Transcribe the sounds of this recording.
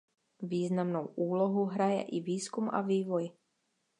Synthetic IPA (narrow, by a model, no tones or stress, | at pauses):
viːznamnowʔuːlɔɦuɦɾajɛ̰ʔiviːskuma̰viːvɔj